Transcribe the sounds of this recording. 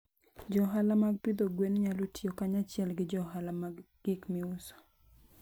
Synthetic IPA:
d͡ʒɔɦalamaɡ̚pid̪oɡwenɲalotjokaɲat͡ʃɪɛlɡɪd͡ʒɔɦalamaɡ | ɡɪkmɪʊsɔ̥

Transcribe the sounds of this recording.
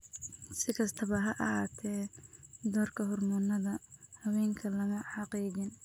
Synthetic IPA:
sɪkʰɐst̪ʰɐβɐɦɐʔhaːt̪ʰɛːd̪ɔːrkʰɐɦʊrmɔnːɐðɐhɐwɛːŋkʰɐlɐɣɐħɑqiːɣɪn

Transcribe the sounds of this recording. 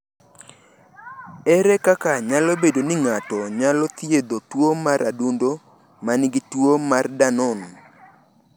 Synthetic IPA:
ɛɾɛkakaɲalobedonɪŋatɔɲalɔt̪jed̪otwomaɾadundo | manɪɡɪtwomardanɔn

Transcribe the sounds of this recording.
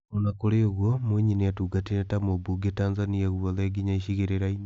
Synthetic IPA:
onakoɾeoɣwomweɲineatuɡatinetamobuɡetaːnzaniaɣwoleɡiɲaiʃiɣeɾeɾain

